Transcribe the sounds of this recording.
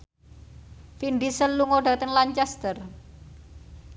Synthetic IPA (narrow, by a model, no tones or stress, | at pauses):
finɖisənluŋoɖa̤t̪əŋlaɲt͡ʃɛst̪ər